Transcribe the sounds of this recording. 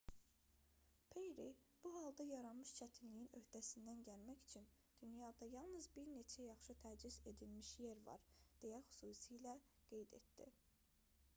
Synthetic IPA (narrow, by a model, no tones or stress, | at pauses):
pʰejɾib̥uɦɑlˠd̪ɑjɑɾɑnmɯʃt͡ʃʰæt̪ʰinlijinø̞hd̪̥æsind̪ænɟælmæçi̥t͡ʃʰin | d̪̥ynjɑd̪ɑjɑlˠnɯzbiɾne̞t͡ʃʰæjɑχʃɯt̪ʰæd͡ʒize̞d̪ilmiʃje̞ɾvɑ̰ɾd̪̥ejæxy̥suːsijlæɡ̥e̞jd̪ḛt̪̚d̪̥ḭ